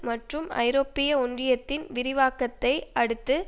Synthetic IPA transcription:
mɐʈrɯmɐ̰ɪɾoːpːɪjɐʊɳdrɪjɐt̪ːɪnʋɪɾɪʋaːkɐt̪ːɐɪɐɽɯt̪ːɯ

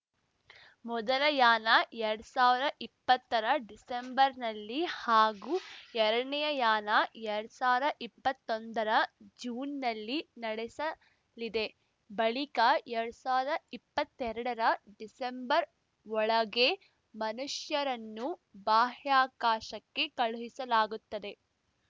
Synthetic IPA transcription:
mɔd̪ɐlɐjaːnɐɛɾɽusaːʋid̪ɐʔipːɐt̪ːɐɾɐɖisembɐɾnɐlːihaːɡuːɛɾɐɐɳɛjɐjaːnɐɛɾɽusaːʋiɾɐʔipːɐt̪ːond̪ɐɾɐd͡ʒuːnːɐlːinɐɽesɐ | lid̪e̞ | bɐɭikɐɛɾɐɽusaːʋid̪ɐipːɐt̪ːɛɾɐɽɐɾɐɖisembɐɾ | ɔɭɐɡe̞ | mɐnuʃjɐɾɐnːubaːɦjaːkaːʃɐkːe̞kɐɭuɦisɐlaːɡut̪ːɐd̪e̞

